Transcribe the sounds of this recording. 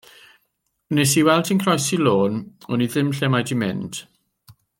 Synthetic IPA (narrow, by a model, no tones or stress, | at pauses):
nesiwɛlˠtʰinkʰrɔjsiloːnɔniðɪmɬɛmajdimɪ̰nd̥